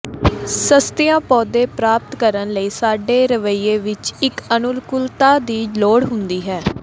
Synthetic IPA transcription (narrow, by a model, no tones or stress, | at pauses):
səst̪ɪjãːpɔːd̪eːpɾaːp̚t̪kəɾənləiːsaːɖeːɾəʋəiːeːʋɪt͡ʃɪkənʊlkʊlt̪aːd̪iːloːɽɦʊnd̪iːɦɛː